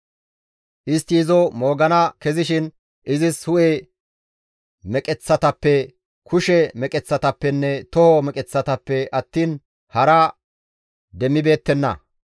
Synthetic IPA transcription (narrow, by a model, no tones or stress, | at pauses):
ʔɪst̪ːiːzɔmoːɡɐnɐkɛzɪʃɪn | ʔɪzɪshʊʔe | mɛkʼɛt͡sːɐt̪ɐpːɛ | kʰʊʃɛmɛkʼɛt͡sːɐt̪ɐpːɛnːɛt̪ɔhɔmɛkʼɛt͡sːɐt̪ɐpːɛʔɐt̪ːiːn | hɐɾɐ | d̪ɛmːɪbe̞ːt̪ːɛnːɐ̰